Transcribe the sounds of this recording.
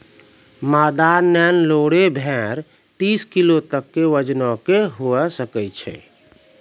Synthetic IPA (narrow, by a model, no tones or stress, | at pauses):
mad̪anːɛnloɽebʱɛ̃ɾ | t̪iskilot̪əkːeʋəd͡ʒnɔkeɦoɛsəkɛt͡ʃʰɛ̰